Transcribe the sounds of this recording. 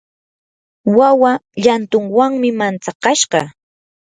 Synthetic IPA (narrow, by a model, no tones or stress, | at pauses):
wawaʎant̪ʊŋwaŋmɪmant͡sɑqɑʃɢɑ̰